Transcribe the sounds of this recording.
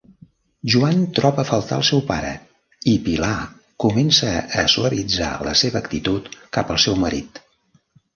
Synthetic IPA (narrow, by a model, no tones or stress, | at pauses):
ʒuant̪ɾɔβəfəlˠt̪a̰lˠsɛwpaɾə̰ | ipila | kumɛnsəːsuəβid͡za̰lə̰seβəːkt̪it̪ut̪kapəlˠsɛwməɾit̪